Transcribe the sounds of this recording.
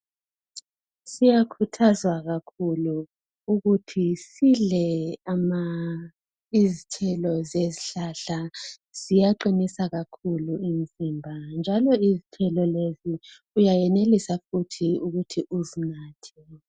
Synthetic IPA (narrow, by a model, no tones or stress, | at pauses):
sijakʰutʰazwaɣakʰulu | uɣutʰisilɛama | izitʰɛlɔzeziɬaɬa | z̥ijaǃinisaɣakʰuluin̩zimbʱand͡ʒʱalɔizitʰɛlɔlezi | ujajɛnelisafutʰiuɣutʰiʔuzinaːtʰi